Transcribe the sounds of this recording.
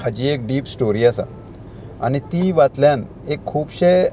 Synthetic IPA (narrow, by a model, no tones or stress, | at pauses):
had͡ʑiek̚ɖiːpsʈoɾiasa̰ | a̰nit̪iʋat̪ljan | ekʰːuːbɕe